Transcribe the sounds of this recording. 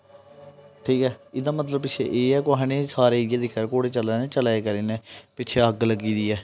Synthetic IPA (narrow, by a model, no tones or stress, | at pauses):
ʈʰiːkɛːɪd̪ãːmət̪ləb̚pɪt͡ʃʰḛʔeːɛːkoɦãːnẽːsaːɾeːɪaːd̪iːkəɾkoːɽeːt͡ʃəlaːneːt͡ʃəlaːeːkəɾiːnẽːpɪt͡ʃʰeːəɡləɡiːd̪iːɛː